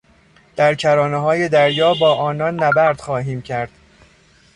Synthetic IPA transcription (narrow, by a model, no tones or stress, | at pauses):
d̪̥æɾcʰæɾɒːneɦɒːje̞d̪æɾjɒːbɒːʔɒːnɒnːæbæɾd̪̥xɒːɦiːmcʰæɾd̪̥